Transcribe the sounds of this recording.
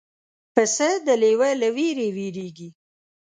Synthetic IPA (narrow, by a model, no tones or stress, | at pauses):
pəsəd̪əlewelawiɾewiɾeɡi